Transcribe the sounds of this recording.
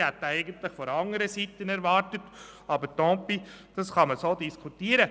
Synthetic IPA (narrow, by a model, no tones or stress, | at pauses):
hɛt̪ːæɪɡəntlɪχfɔɾɑŋəɾəsitənɛɾvɑːɾtət | ɑbətɔ̃ːpi | d̥ɑsχɑməsoːdiskʰutiːəɾə